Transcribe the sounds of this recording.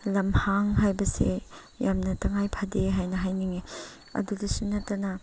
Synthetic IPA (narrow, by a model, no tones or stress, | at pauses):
lɐmhaŋɦajbɐsḛ | jamnɐtɐŋajpʰadeɦajnɐɦajniŋe | ɐ̰dudɐsunɐtːɐnɐ